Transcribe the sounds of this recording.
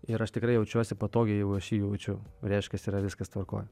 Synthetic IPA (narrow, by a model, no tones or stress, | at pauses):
ɪɾɐʃt̪ʲɪkɾɐɪjɛʊt͡ʃʲuɔsʲɪpɐt̪oːɡʲɛjɛʊɐʃjiːjɛʊt͡ʃʲʊɾʲɛɪʃʲkʲɛsiːɾɐʋʲɪskɐst̪ʋɐrko̰ːj